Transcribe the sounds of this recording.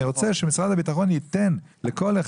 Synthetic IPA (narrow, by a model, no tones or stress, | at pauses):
iʁo̞t͡seʃemisʁad̪habit̪aχo̞njit̪e̞nleko̞leχ